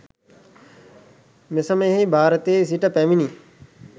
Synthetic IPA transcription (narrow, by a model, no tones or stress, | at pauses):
mɪsəmeɦibʱaːɾət̪es̬iʈəpɛːminiː